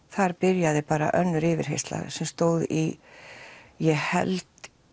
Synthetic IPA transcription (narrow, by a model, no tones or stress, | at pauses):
θaɾpɪɾjaðɪpaːɾa̰ʔœnːʏɾɪːvɪɾ̥ɦḛjst̪la̰sɛmst̪oːwði | jɛhɛ̰lt̪